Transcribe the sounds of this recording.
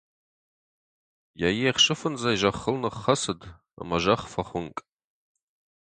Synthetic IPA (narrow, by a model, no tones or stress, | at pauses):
jajiaχʂɨfɨnzajiʒʷaχːəlnɨχːasɨd | a̰maʒaχfaχʷʊŋkʼ